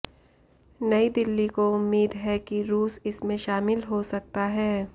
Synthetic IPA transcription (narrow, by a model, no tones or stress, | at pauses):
nɐid̪ɪlːikoʊmːiːd̪ɦɛkiɾuːsɪsmẽʃaːmɪlɦosɐk̚t̪aɦɛː